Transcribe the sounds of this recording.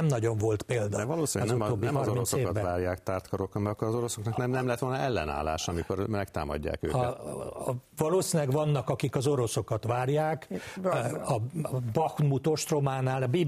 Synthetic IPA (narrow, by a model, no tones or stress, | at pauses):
ɛmnɒɟo̞ɱvo̞lt̪peːld̪ɒɛvɒloːsizumoːbːiɛmrominssoekt̪ːvaːɾjaːkt̪aːrt̪kɒɾokɒmɛkːoɾɒzo̞ɾoso̞knɒknɛmnɛmlɛɛt̪ʋo̞lnɒʔɛlːɛna̰ːlːa̰ːʃɒmiko̞rmɛkt̪a̰ːmɒ̰ɟːa̰ːkø̰ː | vɒloːsinɛɡʋɒnːɒkɒkikɒzo̞ɾo̞so̞kɒt̪ʋaːrjaːk | ɒbɒxnmut̪o̞ʃt̪ro̞maːnaːlbi